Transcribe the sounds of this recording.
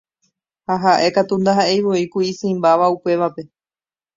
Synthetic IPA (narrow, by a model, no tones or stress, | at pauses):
haɦaʔe̞kat̪und̪aɦaejʋoikuisɨ̃ĩmbaʋaupe̞ʋape̞